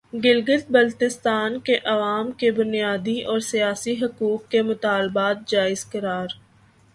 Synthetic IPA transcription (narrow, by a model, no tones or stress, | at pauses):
ɡɪlɡət̪̚bɐlt̪ɪst̪aːnkeʔɐʋaːmkebʊnijaːd̪iʔɔːɾsijaːsiɦʊkuːkːemʊt̪aːlbaːt̪̚d͡ʒaːɪzkəɾaːɾ